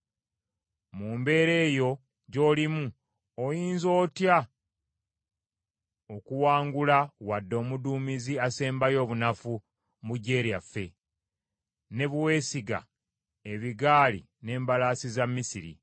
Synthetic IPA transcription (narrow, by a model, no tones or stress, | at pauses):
muːmbe̞ːɾe̞ːjo̞ | ɟo̞ːlimu | ojiːnzo̞ːtja | okuwaːŋɡulawadːo̞ːmuduːmiziase̞ːmbajo̞ːβunafu | muɟe̞ːɾijafːe̞ | ne̞βuwe̞ːsiɡa̰ | eβiɡaːlḭ | ne̞ːmbalaːsizamːisiɾḭ